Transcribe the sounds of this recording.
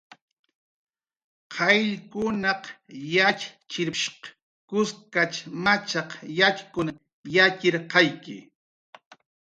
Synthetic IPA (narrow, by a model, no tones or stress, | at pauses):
qʰɑjʎkʊnɑqjat͡ʃt͡ʃɪɾʃq | kʊskat͡ʃmat͡ʃɑqjaʎkʊna | jakɪɾqɑjkɪ̰